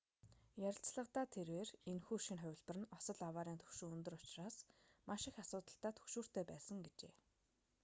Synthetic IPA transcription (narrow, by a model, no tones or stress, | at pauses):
jæɾʲɪ̆ɬt͡sɮə̆qt̪aːt̪ʰerweːrenxuːʃinχœwʲɪ̆ɮpə̆rɘ̆nɔsə̆ɮawaːɾiːnt̪ʰɵ̥xʃuːunt̪ɵ̆rʊt͡ɕraːsmaʃɪ̆xasʊːt̪ə̆ɬt̪aːt̪ʰɵ̥xʃuːr̥t̪ʰeːpæːsə̆ŋɡet͡ɕeː